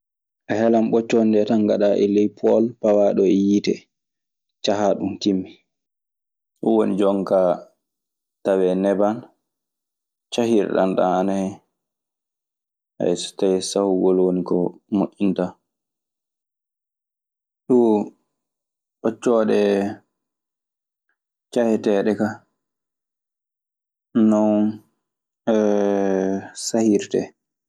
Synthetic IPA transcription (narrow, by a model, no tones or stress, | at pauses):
ʔaɦɛlamɓɔt͡ʃːɔndɛtaŋɡa̰ɗaʔɛlɛjpʰɔlpawaɗɔɛjitɛ̰ | t͡ʃaɦaɗumkimːi | ʔɔwonid͡ʒɔŋka | tawɛnɛban | t͡ʃahiɾɗa̰nɗa̰ana | ʔa̰ɛsɔ̥tajɛsahuɡɔlwonikɔmoʔːinta | ɗu | ʔɔt͡ʃːɔːɗɛ | t͡ʃahɛtɛːɗɛka | nɔ | sahiɾtɛ̰